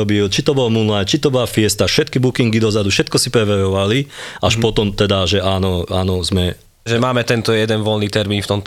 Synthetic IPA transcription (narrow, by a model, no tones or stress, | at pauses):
ɔbilt͡ʃit̪ɔbɔlmulajt͡ʃit̪ɔbɔlafɪɛst̪aʃɛt̪kibukiŋɡid̪ɔzad̪ufʃɛt̪kɔsipɾɛʋɛɾɔʋaliʔaʃpɔt̪ɔmt̪ɛd̪aʒɛaːnɔaːnɔzmɛ | ʒɛmaːmɛt̪ɛnt̪ɔjɛd̪ɛnʋɔlniːt̪ɛɾmiːnft̪ɔmt̪